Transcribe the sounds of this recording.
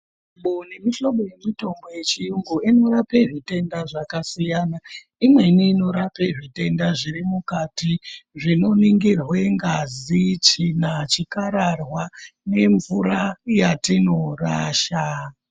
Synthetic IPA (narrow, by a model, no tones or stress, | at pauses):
ɓonemiʃo̞ɓo̞je̞mito̞mbo̞je̞t͡ʃijuŋɡuino̞ɾapeʐite̞ndaʐakasijaːna | imwe̞niːno̞ɾape̞ʐite̞ndaʐirimukatiʐino̞niŋɡirwe̞ŋɡazit͡ʃinat͡ʃikaɾarwane̞ɱvuɾajatino̞raːʃa